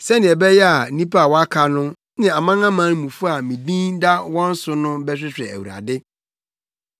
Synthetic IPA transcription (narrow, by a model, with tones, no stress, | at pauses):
sɛ˦nɪ̃˨ɛ˨bɛ˦jɛ˦a˨nĩ˦pa˦a˨wɔ˦a˦kʰa˨nʊ̃˦ | nɪ̃˨a˨mã˦ŋã˦mã˦n˦mũ˨fʊ˦a˨mĩ˨bĩ˦nda˦wɔ̃˦n̩˦sʊ˦nʊ̃˦bɛ˦ɕᶣɪ˦ɕᶣɛ̰˨æ̰˨wṵ˨ɾa̰˨dɪ˦